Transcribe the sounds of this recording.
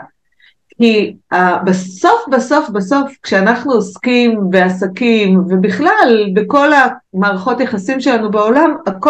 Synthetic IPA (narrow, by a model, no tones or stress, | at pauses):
kiabeso̞fbaso̞fbaso̞fkʃeanaχnuoskimve̞asakimve̞biχlalbeko̞la | maːʁaχo̞tjaχasimʃe̞lanubeo̞lamako